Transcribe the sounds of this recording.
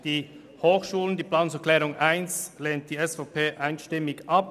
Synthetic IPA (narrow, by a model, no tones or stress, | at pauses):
d̥iː | hoːxʃuːləndiːplaːnsʊɛɐklɛːʁʊŋʔaɪnsleːnt̚d̥iːɛsfapʰeːʔaɪnʃtɪmɪçʔap